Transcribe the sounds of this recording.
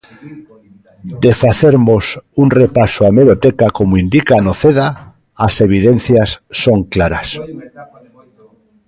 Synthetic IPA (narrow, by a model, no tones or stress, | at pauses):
d̪efaθeɾmosunrepasoameβot̪ekakomoind̪ikanoθeða | ase̞β̞ið̞en̟θjasːoŋklaɾa̰s